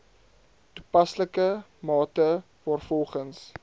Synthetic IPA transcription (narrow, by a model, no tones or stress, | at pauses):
tu̥pɐsləkəmɑːtə | vɑːrfɔlˠχəns